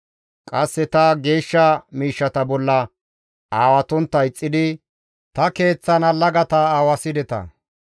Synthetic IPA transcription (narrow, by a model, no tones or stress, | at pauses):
kʼɐsːɛt̪ɐɡe̞ːʃːɐmiːʃːɐt̪ɐbɔlːɐ | aːwɐt̪ɔnt̪ːɐjɪt͡sʼːɪd̪ɪ | t̪ɐke̞ːt͡sːɐnɐlɐɡɐt̪ɐawɐsɪd̪ɛt̪ɐ̰